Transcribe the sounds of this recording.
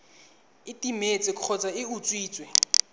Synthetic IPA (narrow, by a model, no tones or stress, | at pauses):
ɪtʼimet͡sʼɪkʰɔt͡sʼaɪut͡sʼwiːt͡sʼwɛ